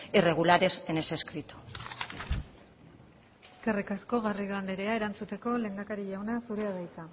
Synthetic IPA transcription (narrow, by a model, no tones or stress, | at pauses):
ire̞ɣ̞ulaɾe̞sene̞se̞skɾit̪u̥ | eske̞rikasko̞ɣariðoand̪eɾe̞aeɾant͡sut̪e̞ko̞le̞ŋɡ̪akaɾiʝawnasuɾe̞aðajt͡sa